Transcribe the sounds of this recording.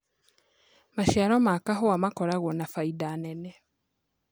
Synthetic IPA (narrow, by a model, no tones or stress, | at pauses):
maʃjaɾomakaɦowamakoɾaɣonafaidanene